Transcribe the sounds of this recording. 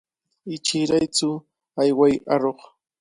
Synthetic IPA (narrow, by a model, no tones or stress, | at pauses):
ɪt͡ʃɪɾajt͡sʊ | ajwajaɾoχ